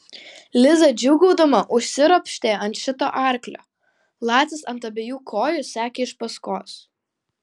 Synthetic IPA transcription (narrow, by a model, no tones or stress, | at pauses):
lʲɪzɐd͡ʒʲʊːɡɔʊd̪ɐmɐʔʊʃʲsʲɪɾɔpʲʃʲt̪ʲeːɐnt̪ʃʲɪt̪oːʔɑˑɾklʲo̰ː | lˠɑːt̪ʲɪsɐnt̪ɐbʲeːjuːkʰoːjʊsʲæːkʲeːɪʃpɐskoːs